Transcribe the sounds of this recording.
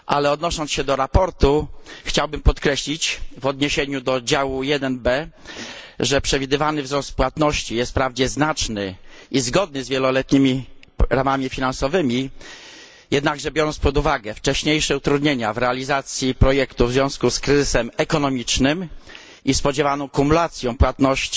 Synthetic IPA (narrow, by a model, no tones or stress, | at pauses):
ʔalɛɔd̪nɔʂɔnsɕɛd̪ɔɾapɔɾt̪uxt͡ɕawbɘmpɔt̪kɾɛɕlʲit͡ɕvɔd̪ɲeɕeɲud̪ɔd͡ʑawujɛd̪ɛnbɛ | ʐɛpʂɛvʲid̪ɘvanɘvzɾɔst̪̚pwat̪nɔɕt͡ɕijɛst̪̚pɾavd͡ʑɛznat͡ʂnɘ | ʔizɡɔd̪̚nɘzvʲjɛlɔlɛt̪ɲimʲi | ɾamamʲifʲinãnsɔvɘmʲi | jɛd̪naɡʐɛbjɔɾɔnt̪spɔd̪uvaɡɛft͡ʂɛɕɲejʂɛut̪ɾud̪ɲeɲavɾɛalʲizat̪sʲjipɾɔjɛkt̪uvzvʲjɔ̃w̃skuskɾɘzɘsɛmɛkɔnɔmʲit͡ʂnɘm | ispɔd͡ʑɛvanɔ̃w̃kumulat̪sʲjɔ̃w̃pwat̪nɔɕt͡ɕ